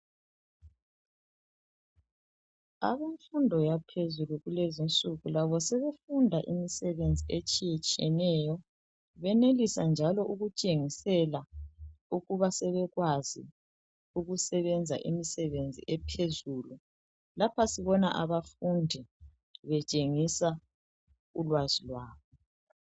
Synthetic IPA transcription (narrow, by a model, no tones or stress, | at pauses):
a̰βeɱfundʱɔjapʰezuluɣulezint͡sʼuɣulaβɔsɛβefundʱaʔimisɛβend͡zʱiet͡ʃʼijet͡ʃʼiɛnɛjɔ | βɛnelisand͡ʒʱalɔʔuɣut͡ʃʼeŋisɛla | uɣuβasɛβɛɣwazḭ | uɣusɛβɛnd͡zʱa̰ʔimisɛβend͡zʱḭʔɛpʰezuːlu | lapʰasiβɔnaʔaβafundʱi | βɛt͡ʃʼeŋisa | ulwazilwaːβɔ